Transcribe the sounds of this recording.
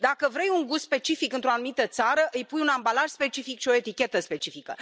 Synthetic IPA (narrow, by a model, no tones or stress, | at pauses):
d̪akəvɾe̞juŋɡusspe̞t͡ʃifikɨnt̪ɾo̞anumit̪ət̪saɾəʔɨjpujunambalaʒ̥spe̞t͡ʃifikʃio̞e̞t̪ikʲe̞t̪əspe̞t͡ʃifikə